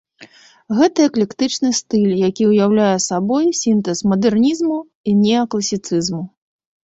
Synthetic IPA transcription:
ɣɛt̪ɨɐklʲɛkt̪ɨt͡ʂnɨst̪ɨlʲjakʲiwjawlʲajɛsabɔjsʲint̪ɛsmɐd̪ɛrnʲizmu | inʲɛɐklˠɐsʲit̪sɨzmu

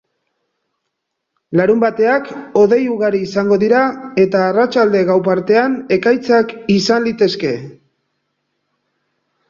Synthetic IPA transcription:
laɾumbat̪e̞ako̞ðe̞juɣaɾiːsaŋɡo̞ðiɾae̞t̪aːrat͡ʃald̪e̞ɣawp̬aɾt̪e̞ane̞kajt͡sakisanlit̪e̞ske̞

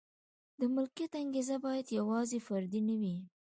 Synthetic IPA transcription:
d̪əmʊlkjat̪aŋɡezabɑjad̪jawɑzefaɾd̪inawi

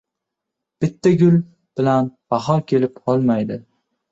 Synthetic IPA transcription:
b̥ɪt̪ʰːaɡʲʊl | b̥ɪlanb̥aɦɒɾkʲʰe̞lɪpɒlˠmajd̪ɪ

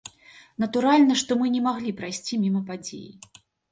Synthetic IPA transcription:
nɐt̪uɾalʲnɐʂt̪ɔmɨnʲɛmaɣlʲipɾajsʲt͡sʲimʲimɐpad͡zʲḛjḭ

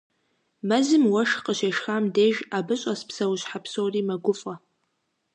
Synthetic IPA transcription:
mɐzɨmwɐʂqəʃeʂxamdeːʒabɨɕʼɐspʰsɐwɕħapsowriːmɐɡʷʊfʼɐ

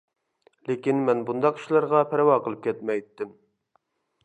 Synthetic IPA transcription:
lekʲinmɛnbund̪ɑqi̥ʃlˠɑɾʁɑpʰɛɾwɑqəlˠɨp̚kʲʰɛt̪mɛjt̪ːɪm

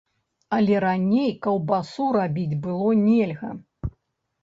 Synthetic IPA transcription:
ɐlʲɛɾanʲejkɐwbasuɾabʲid͡zʲbɨlˠɔnʲɛlʲɣɐ̰

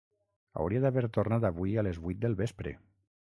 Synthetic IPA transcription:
a̰wɾiaðaβeɾt̪ornat̪aβuijalezβuit̪̚d̪əlˠβespɾḛ

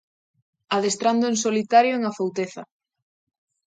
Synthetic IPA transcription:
aðest̪ɾand̪oeŋsolit̪aɾjoeŋafowt̪eθɐ

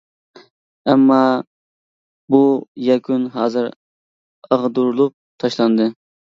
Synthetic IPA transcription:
ɛmːɑ | bujɛkʰʲunɦɑːzɨɾ | əʁd̪uɾlˠup̚t̪ʰɑʃlˠɑnd̪ɨ

